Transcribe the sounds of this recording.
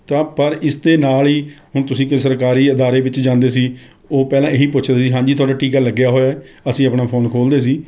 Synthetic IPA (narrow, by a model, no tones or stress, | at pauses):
t̪ãːpəɾɪsd̪eːnaːliːhʊɳt̪ʊsĩːkɪsəɾkaːɾiːəd̪aːɾeːʋɪt͡ʃd͡ʒãːnd̪eːsiː | oːpɛːlãːeːɦiːpʊt͡ʃʰd̪eːsiːɦãːɲd͡ʒiːt̪ʰoaːɖaːʈiːkaːləɡːɪjaːɦoːjaː | əsĩːəpnaːpʰoːnkʰoːld̪eːs̬iː